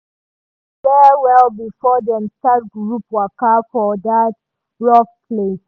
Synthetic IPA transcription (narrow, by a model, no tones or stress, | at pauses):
fɛwɛlbifɔdɛ̃nstat̚ɡɹupwakafɔdat̚ | ɹɔk̚pʰles